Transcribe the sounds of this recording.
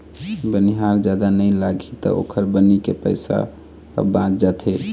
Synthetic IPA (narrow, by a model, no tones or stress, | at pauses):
bəniɦaɾd͡ʒad̪anəjlaɡʱit̪ɔ̰o̰kʰəɾbənikepə̰ɪsa̰ | bãt͡ʃd͡ʒat̪ʰe